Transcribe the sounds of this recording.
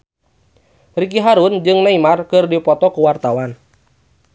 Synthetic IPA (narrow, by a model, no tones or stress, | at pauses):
rikiɦaɾund͡ʒɨŋnaimarkɨrdipɔt̪ɔkuwart̪awan